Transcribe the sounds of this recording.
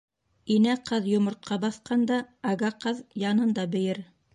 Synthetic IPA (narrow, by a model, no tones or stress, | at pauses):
inæqɤðjŏmŏɾt̪̚qʰɑbɑθqɑnd̪ɑɑɡɑqɤðjɑnɤnd̪ɑbɘ̆jɘɾ